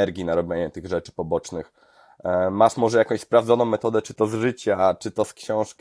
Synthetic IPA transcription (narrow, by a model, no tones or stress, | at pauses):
ɛɾɡʲinaɾɔbʲjeɲɛt̪ɘɣʐɛt͡ʂɘ̥pɔbɔt͡ʂnɘx | maʂmɔʐɛjakɔ̃ɕʲspɾavd̪zɔnɔ̃w̃mːɛt̪ɔd̪ɛt͡ʂɘt̪ɔzʐɘt͡ɕat͡ʂɘt̪ɔskɕɔ̃w̃ʂkʲ